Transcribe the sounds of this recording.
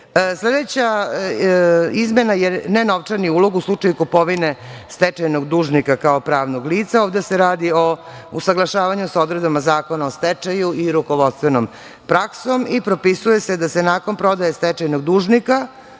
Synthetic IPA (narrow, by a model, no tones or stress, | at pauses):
sled̪e̞t͡ɕa | izme̞najenenoʋt͡ʂaɾniuːlˠoɡuslˠut͡ʂajukopo̞ʋine̞st̪ɛt͡ʃajno̞ɡd̪uːʒnikakaopɾaːʋnoɡliːt̪saoːʋd̪eseɾaːd̪io | usaɡlˠaʃaːʋaɲusaod̪ɾe̞d̪bamazaːko̞naost̪et͡ʂajuiɾuko̞ʋod̪st̪ʋenom | pɾakso̞mipɾopisuje̞sed̪asenaːko̞npɾo̞d̪ajest̪ɛt͡ʃajnoɡd̪uːʒnika